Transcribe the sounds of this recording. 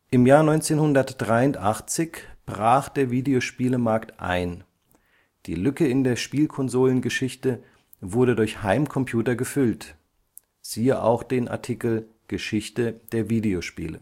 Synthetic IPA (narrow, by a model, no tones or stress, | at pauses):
ʔɪmjaːɐnɔʏnt͡seːnhʊndɐtd̥ʁaɪʊntʔaχt͡sɪçb̥ʁaːχd̥eːɐviːdeoʃpiːləmaɐktʔa̰ɪn | d̥ḭːlʏkəɪndeːɐʃpiːlkʰɔnzoːlənɡəʃɪçtə | vʊɐɾədʊɐçhaɪmkʰɔmpʰj̥uːtɐɡəfʏlt | z̥iːəʔa̰ʊxd̥eːnʔa̰ɐtʰikl̩ | ɡ̥əʃɪçtəd̥eːɐviːdeoʃpḭːlə̰